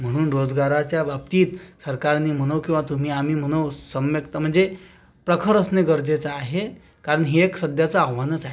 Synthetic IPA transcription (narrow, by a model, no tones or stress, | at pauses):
m̤əɽ̃uːnɾod͡zɡaɾat͡ɕjaʋap̚t̪iːt̪səɾkaɾnim̤əɽ̃əʋkĩw̃ʋat̪um̤iːam̤iːm̤əɽ̃əwsəmjəkt̪əm̤əɳd͡ze | pɾəkʰəɾəsneɡəɾd͡zet͡saaɦe | kaɾəɳɦeːksəd̪ʱjat͡saːʋanət͡saɦe